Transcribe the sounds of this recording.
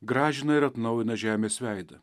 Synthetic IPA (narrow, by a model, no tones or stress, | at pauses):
ɡɾɑːʒʲɪnɐɪɾɐt̪nɒʊjɪnɐʒʲæːmʲeːsʲʋʲæɪd̪ɐ